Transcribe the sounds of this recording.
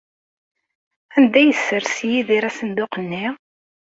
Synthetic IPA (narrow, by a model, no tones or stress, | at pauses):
ænd̪æjəsːəɾsjiðiɾæsənd̪ʊqənːi